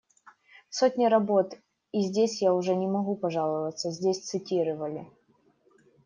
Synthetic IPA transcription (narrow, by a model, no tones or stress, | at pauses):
sotʲnʲɪɾɐbo̞t̪ | izʲdʲesʲjaʊʐɛnʲɪmɐɣupɐʐɑlˠəvət̪sːəzʲdʲesʲt̪sɨtʲiɾəvəlʲɪ